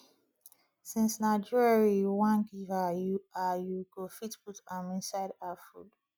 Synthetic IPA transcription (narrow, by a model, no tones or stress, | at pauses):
sĩnsnaɪd͡ʒuɹaɹijuwãnɡivajuajuɡofitputãmĩnsaɪdafṵd̥